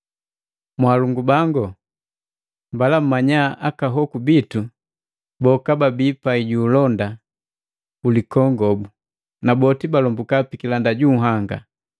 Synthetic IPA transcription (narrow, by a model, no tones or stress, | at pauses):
mwaːluŋɡubaŋɡɔ | mbalam̩mːaɲaʔakaɦɔkubitu | bɔkababipaiɟuːlɔnda | ulikɔŋɡɔbu | nabɔtibalɔmbukapikilandaɟuɦaŋɡa̰